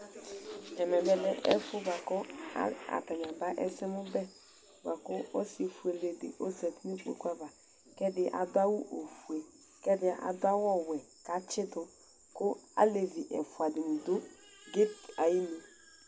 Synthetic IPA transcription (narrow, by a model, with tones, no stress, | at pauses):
ɛ˨mɛ˨bɛ˦lɛ˦ʔɛ̰˦fʊ˦ba˨kʊ˦a̰˦a̰˨ta˨ɲ˨a˨ba˦ʔɛ̰˦sɛ˦mʊ˦bɛ˦ | ba˨kʊ˦o˦si˨fu˨e˨le˨dɪ̰˨ʔo˦sɛ˨ti˦ni˦k͡po̰˨kʷa˦va˨ | kɛ˦dɪ˦ʔa̰˨dʊ˦a˦wʊ˦ʔo˨fu˨e˨ | kɛ˦dɪ˨ʔa̰˨dʊ˦a˦wɔ˦wɛ˨ | ka˨˦t͡ʃɪ˦dʊ˨ | kʊ˦a̰˦le˨vi˨ʔɛ̰˨fʊ˨a˨dɪ˨n̩˨dʊ˦ | ɡɪ˦t̚a˨ji˦me˦